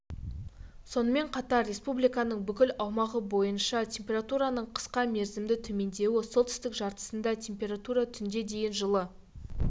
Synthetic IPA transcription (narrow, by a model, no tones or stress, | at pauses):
so̞nəme̞ɴqʰɑt̪ɑɾːe̞spublijkɑnəɴbʏkʲɪlɑwmɑʁəbo̞jənʃɑt̪ʲʰe̞mpʲe̞rat̪uɾɑnəɴqʰə̥sqɑme̞ɾzɪmd̪ɪt̪ʰɵme̞nd̪e̞wɪsolt̪ʏst̪ɪkʒɑɾt̪ə̥sənd̪ɑt̪ʰʲe̞mpʲe̞ɾat̪uɾɑt̪ʰʏnd̪e̞d̪e̞jʲɪnʒəlˠə